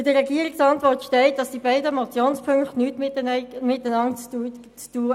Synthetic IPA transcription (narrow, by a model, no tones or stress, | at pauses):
dəʁɛɡiəɾɪksɑntʋɔɾtʃtɛɪt̚d̥ɑsd̥ibaɪdəmɔt͡sjoːnspʰɵŋkχtnyːtmɪmɪt̚dənɑŋt͡sː | t͡stuː